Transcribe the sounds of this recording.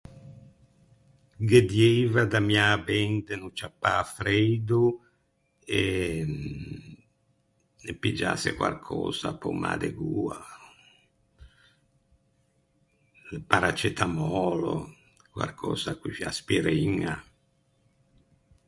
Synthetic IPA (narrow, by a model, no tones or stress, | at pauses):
ɡed̪jevad̪amiabɛnd̪enut͡ʃapːaːfɾejd̪u | e | epːid͡ʒa̰sḛkwa̰rkʰɔ̰ːza̰pɔma̰ːd̪eɡuːa | paɾat͡ʃet̪ʰamɔːlo̰ | kwa̰rkʰɔ̰ːzakwifiaspiɾiŋːa